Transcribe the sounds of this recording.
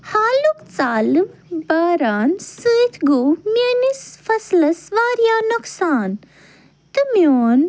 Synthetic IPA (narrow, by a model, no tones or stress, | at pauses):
haːlukt͡saːlɨmbaːɾaːnsɨːt̪ʰɡuminisfɐslɐsʋaːɾjaːnoksaːn | t̪ɨmjoːn